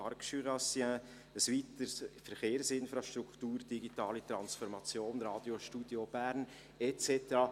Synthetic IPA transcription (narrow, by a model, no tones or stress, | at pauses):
ɑɾkʃyɾɑsiə̃ | əsʋit̪əɾsfəɾχeːɾsɪnfɾɑʃt̪ɾukt̪uːɾd̥iɡit̪ɑːlit̪ɾɑnsfɔɾmɑt͡sjoːnɾɑːd̥̪joʃtud̥job̥æɾn | ɛt͡sɛt̪əɾɑ